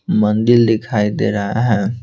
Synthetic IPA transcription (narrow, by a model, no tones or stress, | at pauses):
mə̃nd̪ɪɾd̪ɪkʰaːid̪ḛːɾaɦaɦɛ̃ː